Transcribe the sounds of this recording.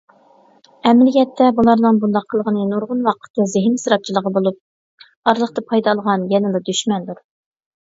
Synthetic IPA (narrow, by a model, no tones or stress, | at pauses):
ɛmlɪkʲɛt̪ʰːɛbulˠɑɾnɨŋbund̪ɑqʰːəlˠəʁənɨnoɾʁʊnwɑqʰə̥t̪ːɨzɪɦɪmsɾɑt̪̚t͡ʃʰilˠəʁɑbolˠup̚ | ɑɾlˠəχt̪ɑpʰɑjd̪ɑlˠəʁɑnjɛnɪlɑd̪yʃmɛnd̪uɾ